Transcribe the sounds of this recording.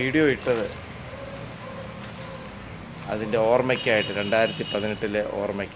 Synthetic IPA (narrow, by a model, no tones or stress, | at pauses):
iːɽijoiʈːɐðɨ | ɐ̰ðinde̞o̞ːrmɐkʲːaːjiʈːɨɾe̞ɳɖaːjiɾɐt̪ːipɐðiniʈːileʔo̞̰ːrmɐkʲː